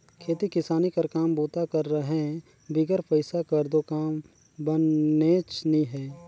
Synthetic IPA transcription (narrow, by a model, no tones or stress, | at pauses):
kʰeːt̪ikɪsaːnikəɾkaːmbuːt̪akəɾːəɦɛ | bɪɡəɾpəɪsakəɾd̪okaːm | bənet͡ʃniɦɛː